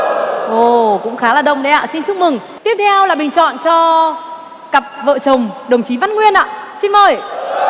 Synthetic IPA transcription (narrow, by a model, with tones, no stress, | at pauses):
ʔo˨˩kʊ̰˧˥ŋ͡mxaː˨˦laː˨˩ɗə˧˩wŋ͡mɗə˨˧˦ʔa̰ː˧˨si˧nt͡ɕʊ˦˥k͡p̚mɨ˨˩ŋ | t̪i˦˥əp̚t̪ʰɛ˧wlaː˨˩ɓï˨˩ŋ̟t͡ɕɔ̰˧˨nt͡ɕɔ˧ | ka˨˩p̚və̰ː˧˨t͡ɕə˨˩wŋ͡mɗə˨˩wŋ͡mt͡ɕi˨˦va˧˥nŋwi˧ənʔa̰ː˧˨si˧nməː˨˩j